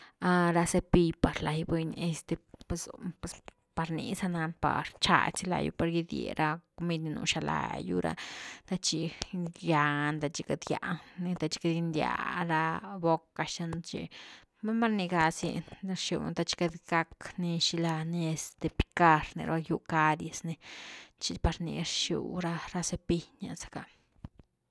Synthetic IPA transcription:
a˧ɾa˧se˧pi˧jpa˨ɾla˨jbwe˧ɲe˧st̪e˧˨pwe˧spwe˨s | pa˧ɾni˧sa˧na˧pa˨ɾt͡ʃa̰˧t͡ʃi˧la˨jṵ˧pa˧ɾɡi˧d̪jḛ˨ɾʔa˦ko˧mi˦˧d̪ni˧nṵ˧ʃa˧la̰˨ju˦ɾa̰˧d̪a˧t͡ʃi˧ja˧nd̪a˧t͡ʃi˧ka˧d̪ja˧˨ni˧t̪a˧t͡ʃi̥˧ke˧d̪i˧nd̪ja̰˧ɾa˦bo˦kːa˧ʃa˧nt͡ʃḭ˨ | ma˦ma˦ɾni˧ɡa˧sḭ˧ɾʃu˨n˨t̪a˧t͡ʃi̥˧ke˧d̪ɡa˧kni˧ʃi˧la˧n˧e˧st̪e˧pi̥˨ka˦ɾnḛ˧ɾa˧ɡju˧ka˦ɾje˨sni˧t͡ʃi˧pa˧ɾni˨ɾʃṵ˨ɾa˦ɾa˦se˦˧pi˧ɲa˨sḁ˧ka˨

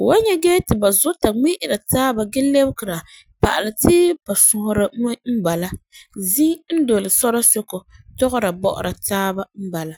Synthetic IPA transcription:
wa˦ɲɛ˦ɡɛ˦tɪ˨ba˨zʊ˦ta˨ŋ͡mi˦ʔɪ˨ɾa˨taː˦ba˨ɡɪ˦le˦bkɨ˨ɾa˨ | pa̰˨ʔa˨lɨ˨tɪ˦ba˨sʊ˨hʊ˨ɾɨ˨n˦ɛ˦m̩˦ba˨la˦ziː˦n̩˦do˨lɨ˨sɔ˦ɾa˦so˦kɔ˨tɔ˦ɣɔ˦ɾa˨bɔ˦ʔʊ̰˨ɾa˨taː˦ba˦m̩˦ba˨la˨

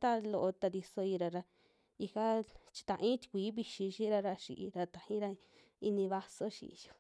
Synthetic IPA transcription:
t̪a˦lo˧ʔo˧t̪a˧d̪i˧so˧i˧ɾa˧ɾa˧ | i˧ka˦t͡ʃi̥˧t̪a˨ʔĩ˦t̪i̥˧kʷiː˨˦βi˧ʃi˧ʃĩ˦ɾa˧ɾa˧ʃḭ˨ḭ˧ɾa˧t̪a˨hĩ˦ɾa˧ | i˧nĩ˧βa˧so˦ʃḭ˧ʃo̥˧

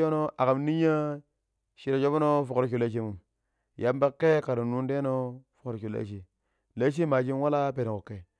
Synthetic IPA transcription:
o˦no˦ʔa˨ka˨m˦ni˦ɲa˦ | ʃi˦ɾa˨d͡ʒo˦bo˦no˦fo˨ko˨ɾku˨la˦ʃ̬i˦mu˨m | ja˦m˦ba˦kːe˦ka˨ɾa˨nu˦n˦de˦no˦fo̥˨kɾku˨la̰˦ʃ̬i˨ | la˦ʃ̬i˦ma˨d͡ʒi˦n˦wa˦la˦pe˨ni˨ko˨kːe˨

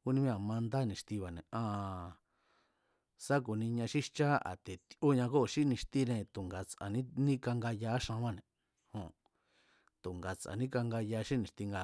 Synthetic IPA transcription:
u˦nĩ˦ĩ˦ã˨mã˧nd̪a˦nĩ˨ʂt̪i˧βa˨nẽ˨ãː˧ | sa˦k̬u˨nĩ˧ɲã˧ʃi˦ʃt͡ʃa˦a̰˨t̪e˨t̪i˧ʔo˦ɲã˧ko˦˨ʃi˦nĩ˧ʃt̪i˦nẽ˧t̪u˨ŋɡa˨t͡sa̰˨nĩ˦nĩ˦ka˧ŋɡa˧ja˧˦ʂã˧˦wã˦nẽ˨ | hõ˨ | t̪u˨ŋɡa˨t͡sʔa̰˨nĩ˦ka˧ŋɡa˧ja˧˦ʃi˦nĩ˧ʃt̪i˧ŋɡa˧

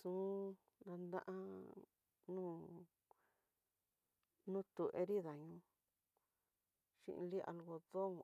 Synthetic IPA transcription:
sũ˦ | da˧nd̪ã̰˦ʔa˦ | nũː˦ | nũ˦t̪u˨ʔe˧˦ɾi˦ða˨ɲũ˧ | ʃḭ̃˦˧ʔḭ˧li˦ʔa̰˧lɣo˧ðo˦ŋ

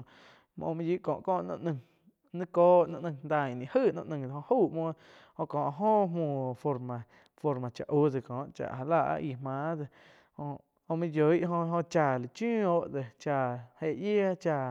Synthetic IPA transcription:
m˧o˧mĩ˧ji˦ʔkɔ̰̃ː˨ʔkɔ̃ː˦˧ʔnɔ̰̃˧ʔnə̃˧ŋ | nə̃˦kɔː˦nã˧ʔnə̃˧ŋd̪a˧˨ĩ˨nĩ˨hɨ˦˨nɔ̰̃˧ʔnə̃˧ŋd̪ho˧huː˦˨mɔ̃˧˦ | ho˧ʔkɔ̃ː˨ʔɦõː˦mmũː˧˨fo˧ɾma˨ | fo˧˨ɾmã˨t͡ʃa̰˨ʔu˦d̪e˧˨kɔ̃ː˨ʔt͡ʃa̰˨ʔɦa˧la˧ʔa̰˧ʔi˧˨mãː˨˦d̪e˧ | ho˧ | o˧ʔmĩ˧jo˨˦i˦ʔɦõ˧ɦõ˧t͡ʃa˨li˨t͡ʃũː˦o˧ʔd̪e˨t͡ʃa˨he˧˨ʔje˦a˦t͡ʃa˧˨

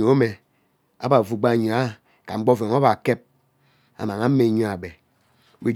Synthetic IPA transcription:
o˨o˦me˨ | a̰˦ba˨vu˨ɡ͡ba˦˨ɲo˨a˦˨ | ka˨ŋ͡m̩˦ɡ͡bo˦ve˨ŋo˦ba˨ke˦p̚ | a̰˨ma˨ŋa˦m̩ː˦e˨˦ɲo˦a˨be˨ | wi˨

